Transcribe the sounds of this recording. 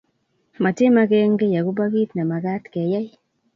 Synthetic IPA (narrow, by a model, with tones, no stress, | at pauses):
ma˨tɪ˦ma˦ɡɛ˦ŋɡe˦ja˨ɡu˦ba˦ɡi˦t̪na˨ma˨ɡa˦t̪ke˨ja˦j